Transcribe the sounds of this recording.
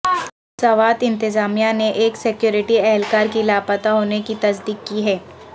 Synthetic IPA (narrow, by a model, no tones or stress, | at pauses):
sɐʋaːt̪ɪ̃nt̪ɪzaːmijaneʔeːksɪkjuːɾɪʈiɛɦɛlkaːɾkilaːpət̪aɦoːnekit̪ɐsd̪iːkːiɦɛː